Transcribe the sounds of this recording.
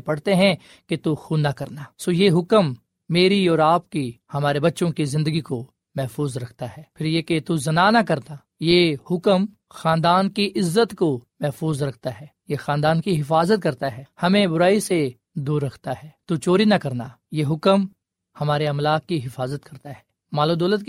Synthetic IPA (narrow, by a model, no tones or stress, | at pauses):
pɐɽ̤t̪eɦɛ̃ | ket̪uxuːnakɐɾnaːsoːjeɦʊkəmː | eːɾiɔːɾaːpkihɐmaːɾebɐtːʃõkizɪ̃nd̪əɡiko | mɛɦfuːzɾɐkʰt̪aɦɛːpʰɪɾjeket̪uzɐnanakɐɾna | jeːhʊkəm | xãːnd̪aːnkiʔɪzːət̪komɛɦfuːzɾɐkʰt̪aɦɛːjexãːnd̪aːnkiɦɪfaːzət̪̚kɐɾt̪aɦɛːhɐmẽbʊɾaːise | d̪uːɾːɐkʰt̪aɦɛːt̪ut͡ʃoːɾinakɐɾnaː | jeːɦʊkəm | hɐmaːɾeɐmlaːkːiɦɪfaːzət̪̚kɐɾt̪aɦɛː | maːlũd̪ɔːlət̪̚